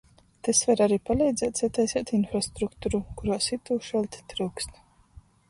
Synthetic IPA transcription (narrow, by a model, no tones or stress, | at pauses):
t̪ɛsvaɾaɾiːpalˠɛjd̪zɛːt̪sɛt̪ɛjsɛːt̪infɾast̪ɾukt̪uɾukuɾaːsit̪uːʃɛlʲt̪ʲt̪ɾuwkst̪